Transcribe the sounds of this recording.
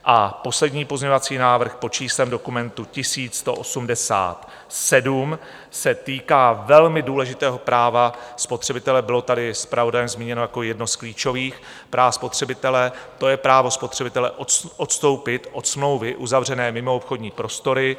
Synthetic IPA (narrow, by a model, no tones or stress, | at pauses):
ʔapo̞slɛdɲiːpo̞zɲeɲo̞vat͡siːnaːvr̩xpo̞t͡ʃiːslɛmdo̞kumɛnt̪ucɪsiːt͡sːt̪o̞ʔosumdɛsa̰ːt̪ | sɛdum | sɛt̪iːkaːvɛlmɪduːlɛʒɪt̪ɛːɦo̞pɾaːvaspo̞t̪r̥ɛbɪt̪ɛlɛbɪlo̞t̪adɪspɾavo̞dajɛmzmiːɲɛno̞jako̞jɛdno̞skliːt͡ʃo̞viːx | pɾʔaːvspo̞t̪r̝̥ɛbɪt̪ɛlɛt̪o̞jɛpɾaːvo̞spo̞t̪r̝̥ɛbɪt̪ɛlɛʔoʔot̪st̪o̞wpɪt̪ʔo̞t̪smlo̞wvɪʔuzavr̝ɛnɛːmɪmoopxo̞dɲiːpɾo̞st̪o̞ɾɪ